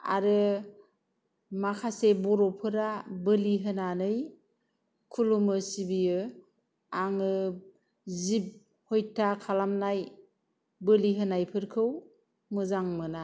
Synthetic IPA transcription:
a̰ɾɯ | makʰasebɔɾɔpʰɯɾabɯliɦɯnanɯj | kʰulumɯsibijɯ | aŋɯ | zip̚ | hojtʰakʰalamnaj | bɯliɦɯnajpʰɯɾkʰɯw | mɯzaŋmɯna

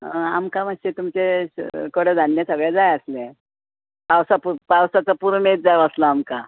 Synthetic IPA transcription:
əa̰mkamət͡ɕet̪umt͡sekəɽəd͡z̪ʱanːjasəɡɭɛd͡zajəslẽ | pawsapupawsat͡sapuɾmet̪̚d͡zajʋaslaːmka

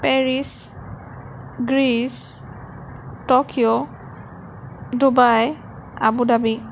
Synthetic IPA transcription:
pɛɹis | ɡɹis | tɔkʰiɔ | dubaj | a̰budabi

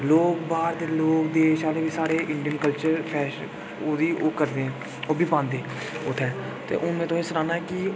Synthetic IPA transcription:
loːkbaːɾd̪eːloːkd̪eːʃaːɾeːbiːsaːɾeːʔɪɳɖijənkəlt͡ʃəɾpʰɛːʃ | oːd̪iːʔoːkəɾd̪eːɛ̃ː | oːbʱiːpãːnd̪eː | ʊt̪ʰːɛː | t̪ḛːʔʊnːẽːt̪õːesəɾãːnaːɛkɪ

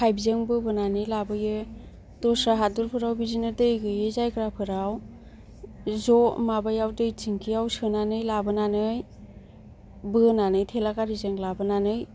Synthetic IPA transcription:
kʰajbizeŋbɯbɯnanɯjlabɯjɯ | d̥ɔsɾaɦaduɾpʰɯɾawbizinɯdɯjɡɯjezajkʰɾapʰɯɾaw | zɔmabajawdɯjtʰiŋkʰijawsɯnanɯjlabɯnanɯj | bɯnanɯjtʰelakaɾizɯŋlabɯnanɯj

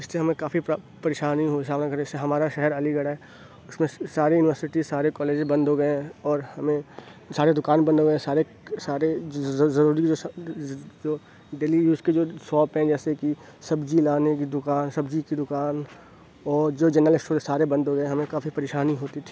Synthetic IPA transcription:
ɪsːeɦɐmẽkaːfi | pɐɾeːʃaːniɦosaːbnakɐɾeɪseɦɐmaːɾaʃɛɦɛɾɐliɡɐɽaɦɛ | ʊsmẽsaːɾejuːnɪʋəɾsɪʈisaːɾekɔːleːd͡ʒbɐ̃nd̪ɦoːɡəẽɔːɾhɐmẽsaːɾed̪ʊkaːnbəɐ̃nd̪ɦoɡəẽsaːɾe | saːɾezɐɾuːɾikd͡ʒoːs | d͡ʒoː | ɖeːlijuːsked͡ʒoːsɔːpɦɛ̃d͡ʒɛːseki | sɐbd͡ʒilaːnekid̪ʊkaːnsɐbd͡ʒikid̪ʊkaːn | ɔːɾd͡ʒoːd͡ʒɛːnəlɪ̃sʈoːɾsaːɾebɐ̃nd̪ʱɦoɡəẽɦɐmẽkaːfipɐɾeːʃaːniɦoːt̪it̪ʰiː

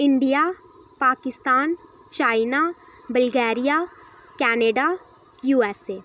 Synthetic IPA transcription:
ɪɳɖijaː | paːkɪst̪aːn | t͡ʃaːɪnaː | bəlɡɛːɾijaː | kɛːneːɖa | juːɛːseː

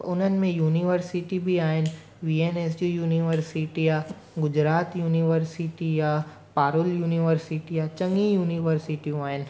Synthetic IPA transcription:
ʊnənmẽjuːniʋəɾsɪʈibʱiaːen | ʋiːeːnes̬jujuːniʋəɾsiʈija | ɡʊd͡ʒɾaːt̪juːniʋəɾsiʈija | paːɾʊljuːniʋəɾsiʈijat͡ʃɐ̃ŋɡijuːniʋəɾsɪʈiaːen

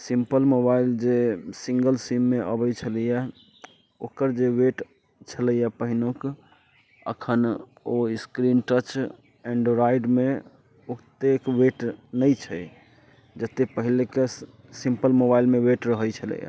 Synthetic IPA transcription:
simpəlmobaild͡ʒesĩŋɡəlsimːeʔəbəjt͡ʃʰəlija | okəɾd͡ʒeweʈ | t͡ʃʰələjapəɦinok | ə̰kʰən | oiskɾinʈət͡ʃ | ɛ̃ɳɖɾaiɖme | okt̪ekweʈnəjt͡ʃʰə | d͡ʒət̪epəɦileke | sĩmpəlmobailmeweʈɾəɦəjt͡ʃʰələ̰ja̰

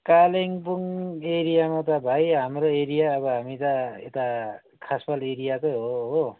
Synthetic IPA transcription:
kaleŋpuŋeɾijamat̪ʌbʱajɦamɾoeɾijaːβʌɦamit̪ʌḛt̪a | kʰaspaleɾijakʌɦoɦo

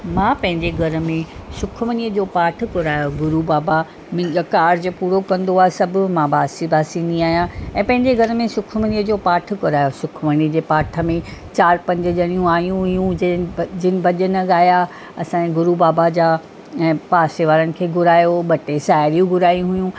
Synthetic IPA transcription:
mãːpɐ̃ɦɪ̃ɲd͡ʑeɡʱɐɾə̆mẽsʊkʰmənijəd͡ʑoːpaːʈ̆ʰkʊɾaːjoɡʊɾubaːba | mɪ̃ɡkaːɾd͡ʑopuːɾokɐ̃nd̪oaːɦesɐbʱʊ̆mãːbaːsibaːsinĩaːɦijãɛ̃ːpɐ̃ɦɪ̃ɲd͡ʑeɡʱɐɾmẽsʊkʰməniːəd͡ʑoːpaːʈ̆ʰkʊɾaːjosʊkʰməniːd͡ʑeːpaːʈʰə̆mẽt͡ɕaːɾpɐ̃ɲd͡ʑə̆ʄɐɽ̃ijũaːɦijũɦʊjũd͡ʑd͡ʑɪnɪ̆bɐʄənɐɠaːja | ɐsãːẽɡʊɾubaːbad͡ʑaː | ɛ̃ːpaːseʋaːɾənɪ̆kʰeːɡʱʊɾaːjoɓɐʈesaːɪɾijũɡʱʊɾaːjũɦʊjũ

